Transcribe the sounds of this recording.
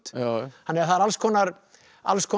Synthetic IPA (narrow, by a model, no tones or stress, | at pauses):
t̪hanːɛɾθaðɾalskʰɔːnaɾ | a̰lskʰɔː